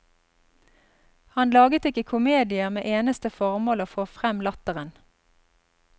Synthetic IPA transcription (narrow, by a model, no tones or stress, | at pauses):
hɑnlɑːɡət̪ɪkəkʰʊmeːd̪ɪəʁmḛːʔeːnəst̪əfɔʁmoːloːfoːfʁɛmlɑt̪əʁən